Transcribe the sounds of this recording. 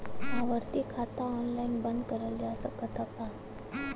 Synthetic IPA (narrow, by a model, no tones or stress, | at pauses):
aʋəɾt̪ikʰat̪aɔnlainbənd̪kəɾəld͡ʑasəkət̪ʰapa